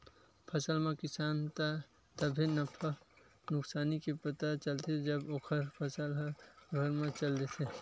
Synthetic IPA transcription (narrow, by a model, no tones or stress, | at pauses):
pʰəsəlmẽkɪsaːnt̪a | t̪əbʱinəpʰə | nʊksaːnikepət̪at͡ʃəlt̪ed͡ʒəbokʰəɾpʰəsəlɦəɡʱəɾmẽt͡ʃəld̪et̪ʰe